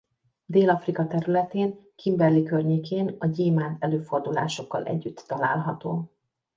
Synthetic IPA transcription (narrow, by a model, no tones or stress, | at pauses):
d̪eːlɒfrikɒt̪ɛɾylɛt̪eːŋkʰimbɛrlikørɲeːkʰeːnɒɟeːmaːnt̪ɛløːfo̞rd̪ula̰ːʃo̞kːɒ̰lʔɛ̰ɟːyt̪ːɒlaːlɦɒt̪oː